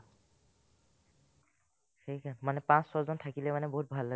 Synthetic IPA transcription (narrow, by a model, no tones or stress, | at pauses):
xejkanmanɛpãssɔzɔntʰakilɛmanɛboɦut̚bʱalːa